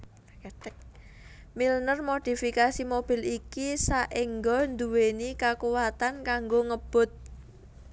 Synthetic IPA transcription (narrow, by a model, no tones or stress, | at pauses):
k̚ | milnərmod̪̥i̤fikasimob̥i̤likisaʔiŋɡɔnd̪uwenikakuwat̪ankaŋɡoŋəb̥ʊt̪̚